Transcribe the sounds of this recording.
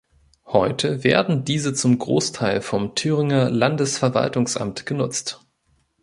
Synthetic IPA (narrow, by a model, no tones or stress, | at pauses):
hɔʏtʰəveːɐdn̩diːzət͡sʊmɡʁo̰ːstʰaɪlfɔmtʰyːʁɪŋɐlandəsfɛɐva̰ltʊŋsʔa̰mtɡ̥ənʊt͡st